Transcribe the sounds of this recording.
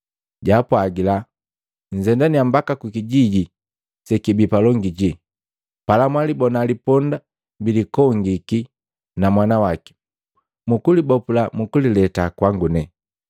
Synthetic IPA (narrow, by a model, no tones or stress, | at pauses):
ɟapwaɡila | ɲ̩zɛndaniambakakukiɟiɟi | sɛkibipalɔŋɡiɟi | palamwalibɔnalipɔnda | mbilikɔŋɡiki | namwanawaki̥ | mukulibɔpulamukulilɛtakwaŋɡunɛ